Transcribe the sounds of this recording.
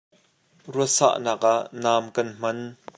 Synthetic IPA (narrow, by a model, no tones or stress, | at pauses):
ruəsa̰ːʔnaːk̚ʔaʔnaːmkɐnm̥ɐn